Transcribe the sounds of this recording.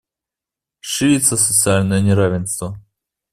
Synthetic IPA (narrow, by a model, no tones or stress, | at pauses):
ʂɨɾʲit̪səsət̪sɨalʲnəjənʲɪɾavʲɪnst̪və